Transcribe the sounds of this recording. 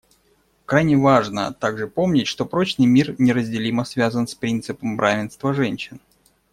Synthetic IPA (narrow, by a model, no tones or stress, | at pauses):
kɾajnʲɪvaʐnə̰t̪aɡʐɨpomnʲɪtʲʂt̪o̞pɾo̞t͡ɕnɨjmʲirnʲɪɾəzʲdʲɪlʲiməsvʲazənspɾʲint̪sɨpəmbɾʔavʲɪnst̪vəʐɛnʲɕɪn